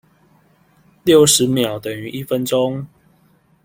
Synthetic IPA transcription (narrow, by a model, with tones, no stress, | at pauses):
ljo˥˨ʊʂɻ̩˨˦mjɑ˨˩ʊt̪ə˨˩ŋy˨˧˦ʔi˦˥fə˦nʈ͡ʂʊ˦ŋ